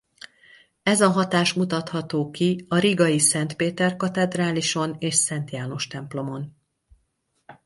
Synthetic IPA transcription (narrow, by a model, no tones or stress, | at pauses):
ɛzɒɦɒt̪aːʃmut̪ɒt̪hɒt̪oːkiɒɾiɡɒjisɛnt̪peːt̪ɛrkɒt̪ɛd̪raːliʃo̞neːʃsɛnt̪jaːno̞ʃt̪ɛmplo̞mo̞n